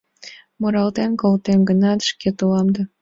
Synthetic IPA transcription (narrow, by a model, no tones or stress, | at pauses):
moɾɑlt̪enkolt̪emɡənɑt̪ʃket̪ulɑmd̪ɑ